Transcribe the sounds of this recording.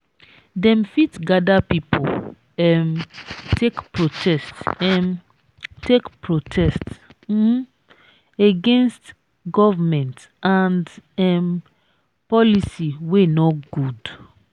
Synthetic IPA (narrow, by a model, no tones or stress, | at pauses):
dɛ̃mfitɡadapipʰo̰ | ɛmtʰekpɹotʰɛstɛ̃m | tekpɹotʰɛst̩ | eɡẽnst | ɡɔvamɛ̃nt | ãndɛm | pɔlisiwenɔɡud